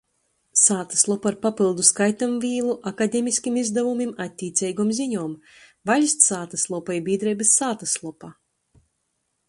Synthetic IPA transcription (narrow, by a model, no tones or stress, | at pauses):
saːt̪ḁslˠɔpaɾpapilˠd̪uskajt̪amvʲiːlˠuʔakad̪ʲemisʲkʲimizd̪avumimat̪ʲːiːt̪sʲɛjɡɔmziɲɔːm | vaʎʲsʲt̪saːt̪aslˠɔpajibiːd̪ɾɛjbesːaːt̪aslˠɔpaː